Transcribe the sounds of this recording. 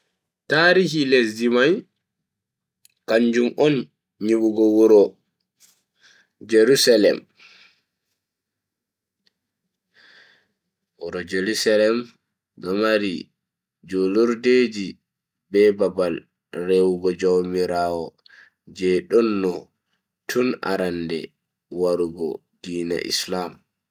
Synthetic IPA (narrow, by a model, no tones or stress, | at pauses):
taːɾihiles̬dimaj | kaɲd͡ʒumɔn | ɲiɓuɡɔwɔɾɔ | d͡ʒeɾusalɛ̰m | wɔɾɔd͡ʒeɾusalɛm | ɗɔmaɾi | d͡ʒɔluɾded͡ʒi | bɛbabal | rewɡɔd͡ʒawmiɾaːwɔ | d͡ʒɛɗɔnːɔ | tʰuna̰ɾandɛ̰ | waɾuɡɔ̰ | d̥iːna̰ʔḭslam